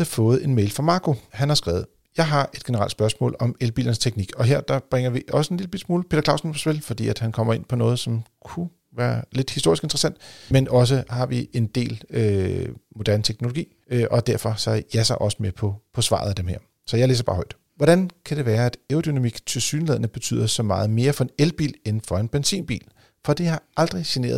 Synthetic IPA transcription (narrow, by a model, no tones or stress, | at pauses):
əfɔ̽ːð̞̩ˠe̝nmeɪlfʁɑ̈mɑ̈ːkʰo̝hænhɑ̈sɡ̥ɛːð̩ˠ | jɑ̈ɪɦɑ̈ʔe̝d̥ɡ̥e̝nəʁɑ̈l̰dsb̥ɶɐsmɔ̰ːlɒ̽melb̥ḭlɐnəst͡sʰeɡ̥niɡ̥ɒ̽ɦeɐ̰d̥ɑ̈b̥ʁɛŋ̰ɐʋiʔɒ̽səenliləb̥ḭl̥smuːlpʰe̝ːdɐklɑ̈ʊ̰sn̩pʰɒsbelfɒ̽d̥ḭːæd̥hænkʰɒ̽m̰ɐe̝npʰɒ̽nɔ̽ːð̞̩ˠsɒ̽mkʰu | ʋæːɐle̝d̥hisd̥o̝ɐisɡ̥e̝nd̥ʁɐsæn̰d̥menɒ̽s̬əhɑ̈ʋie̝nd̥e̝̰ːlømo̝d̥æɐnət͡sʰeɡ̥no̝lo̝ɡḭː | øʔɒ̽d̥æɐ̰fɒ̽sɑjæsɑʔɒ̽səmepʰɒ̽pʰɒ̽sʋɑ̰̈ðˠæd̥emhæɐ̰ | sɒ̽jɑɪlḛːs̬ɐb̥ɑ̈ːhɒ̽ɪd̥ | ʋɒɾ̥ænkʰæd̥e̝ʋæːɐæd̥eod̥ynæmiɡ̥t͡sʰe̝lsyːnəleðˠnəb̥e̝t͡sʰy̰ːð̰ˠɐsɒ̽mɑ̈ːð̞̩ˠme̝ːɐfɒ̽enelb̥ḭːlen̩fɒ̽e̝nb̥ensḭːnb̥ḭːl | fɒ̽d̥ihɑ̈ʔɑ̈ld̥ʁisine̝̰ːɐð̩ˠ